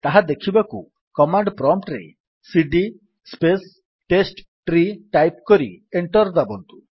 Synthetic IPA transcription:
t̪aɦad̪ekʰibakṵ | kɔmaɳɖpɾɔmʈɾḛ | siɖi | spes | ʈesʈ | ʈɾiʈajp̚kɔɾḭeɳʈɔɾd̪abɔnt̪u̥

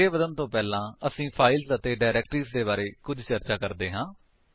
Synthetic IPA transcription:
eːbəd̪ənt̪õːpɛːlãːəsĩːpʰaːɪlsət̪eːɖaːɪɾɛːkʈɾiːsd̪eːbaːɾeːkʊd͡ʒʱt͡ʃəɾt͡ʃaːkəɾd̪eːɦãː

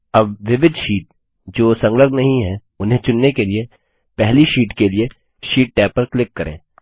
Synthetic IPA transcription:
ɐbʋɪʋɪd̪ʱʃiːʈ̚ | d͡ʒoːsɐ̃ŋɡləɡnɐɦĩɦɛ | ʊnɦẽt͡ʃʊnːekelie | pɛɦliʃiːʈkelie | ʃiːʈ̚ʈɛːpːəɾklɪkːɐɾʔḛ̃ː

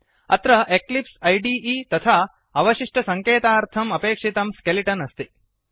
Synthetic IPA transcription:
ɐ̰t̪ɾɐʔeklipsɐjɖiːiːt̪ɐt̪ʰaː | ɐʋɐʃiʂʈɐsɐŋkeːt̪aːɾt̪ʰɐmɐpeːkʂit̪ɐmskeliʈɐnɐst̪i

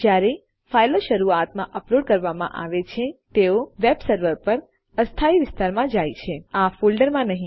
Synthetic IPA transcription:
d͡ʒjaɾe | failoʃəɾuat̪mãʔəploɖ̚kəɾʋamã̰ʔa̰ʋet͡ʃʰet̪eoʋebsəɾʋəɾpəɾ | əst̪ʰaiʋɪst̪aɾmãd͡ʒajt͡ʃʰeafolɖəɾmãnəɦĩ

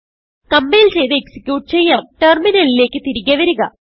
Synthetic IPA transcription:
kɐmbejilt͡ɕe̞jt̪ɨeksi̥kʲjuːʈ̚t͡ɕe̞jːaʈerminɐlile̞ːkːɨt̪iɾiɣɐʋɐɾuɣɐ

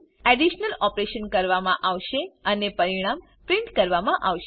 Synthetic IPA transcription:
ɛɖiʃnəlɔpɾeʃənkəɾʋamãʔaʋʃeənepəɾiɽ̃am | pɾɪɳʈkəɾʋamãʔaʋʃ

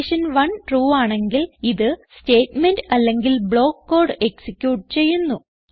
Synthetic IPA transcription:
ʂɐnʋɐɳʈruːaːɳe̞ŋɡiliðɨste̞ːtmendɐlːe̞ŋɡilbɭo̞ːkːo̞ːrɖɨe̞ksikʲːjuːʈt͡ɕe̞jːunːu

